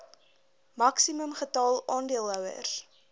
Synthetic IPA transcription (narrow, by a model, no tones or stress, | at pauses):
mɐksiməmχətɑːlˠʔɑːndiəlˠɦœwə̰r